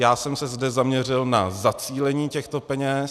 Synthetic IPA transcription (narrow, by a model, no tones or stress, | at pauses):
jaːsɛmsɛzdɛzamɲɛr̝ɪlnazat͡siːlɛɲiːcɛxt̪o̞pɛɲɛs